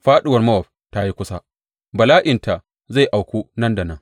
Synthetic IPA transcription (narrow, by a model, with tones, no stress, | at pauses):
ɸaː˦ɗɪ˦wɐ˨rmɐ˦wɔ˨ɸ̚ | ta˦ji˦kʷʊ˦sa˦ | bɐ˨laː˦ʔɪ˨ntʰa˨ | za˦˨jʔa˨wkʷuː˦nɐ˦nda˨nɐ˦ŋ